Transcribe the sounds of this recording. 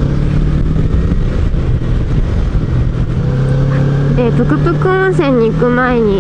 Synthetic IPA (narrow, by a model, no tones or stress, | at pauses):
d̪epɯ̟kɯkɯ̟kɯ̃ | sẽɲ̟ːikɯ̟maeɲ̟i